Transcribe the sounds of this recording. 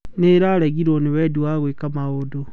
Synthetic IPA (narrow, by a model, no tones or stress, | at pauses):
neɾaɾeɣiɾonewɛduwaɣwekamaɣodo